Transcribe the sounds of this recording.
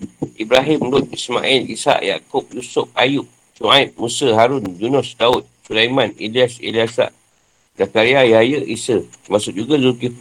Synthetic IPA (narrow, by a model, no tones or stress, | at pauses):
ʔibɾaɦimlʊt̪̚ismã̰ʔilḭsa̰ʔja̰kʊp̚jusʊp̚ajʊp̚ | suaip̚musəɦaɾʊnd͡ʒunʊsdaʊt̪̚sulajmãniliasḭliasa̰ʔ | zakaɾiajajəʔisəmaʔsʊt̪̚d͡ʒuɡazuki